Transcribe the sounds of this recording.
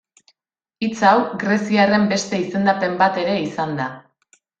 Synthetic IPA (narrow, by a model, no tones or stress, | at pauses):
it͡sawɡɾe̞siare̞mbe̞st̪e̞ise̞nd̪ape̞mbat̪e̞ɾe̞isand̪a